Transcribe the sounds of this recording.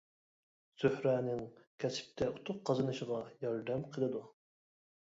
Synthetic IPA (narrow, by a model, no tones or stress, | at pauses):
z̥øhɾæːnɪŋkʲʰɛsɪ̥p̚t̪ʰɛut̪ʰʊq̚qːɑzɨnɨʃəʁɑjɑɾd̪ɛmqʰəlˠɨd̪u